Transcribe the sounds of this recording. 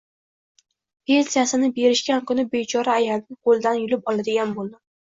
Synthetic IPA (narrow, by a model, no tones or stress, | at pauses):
pʰe̞nsijasɪnɪbe̞ɾɪʃkʲankʰʊnɪbet͡ʃʰɒɾaːjalnɪqʰolˠɪd̪anjʊlɪp̚ɒlˠad̪ɪɡʲanbolˠd̪ɪ